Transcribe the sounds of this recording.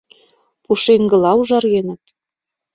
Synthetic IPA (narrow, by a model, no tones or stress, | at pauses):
puʃeŋɡə̆lɑuʒɑrɣenə̆t̪